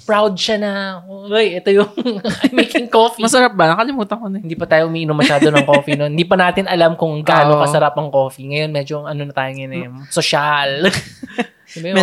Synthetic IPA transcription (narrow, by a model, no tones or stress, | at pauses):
pɹawd̪̚ʃɐnɐoʔojʔɛt̪ojʊŋʔɐjmejkɪŋkoːfimɐsɐɾap̚bɐnɐkɐlɪmuːt̪ɐkonɪnd̪iːpɐt̪aːjoʔʊmiːʔɪnomɐʃaːd̪onɐŋkofinoɪnd̪iːp̬ɐnaːt̪ɪnɐlamkʊŋɡaːnokɐsɐɾapɐŋko̞ːfiŋɐjo̞nmɛd͡ʒo̞ʔɐnonɐt̪aːjoŋɐjonsoʃal | ibɐj